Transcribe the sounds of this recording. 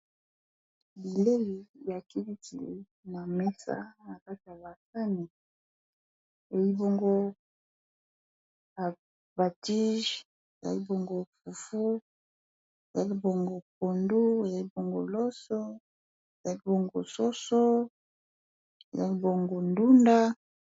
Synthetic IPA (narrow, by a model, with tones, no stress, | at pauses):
bi˨le˦i˨ja˨ki˦li˦tḭ˨ | na˨me˦sa̰˦na˨ka˦ti˨ja˨ba˨sa˦ni˨ | e˨ji˦bo˦ŋɡo˦ | a˨ | ba˨ti˦ʒ | e˨za̰˨li˦bo˦ŋɡo˦fu˨fu˦ | e˨za˨˦li˦bo˨ŋɡo˦k̚o˨ndu˦e˨a˨i˦bo˦ŋɡo̰˦lo˦so˦ | e˨za˨˦li˦bo˦ŋɡo˨so˦so˦ | e˨za̰˦li˦bo˨ŋɡo˦ndu˦nda˦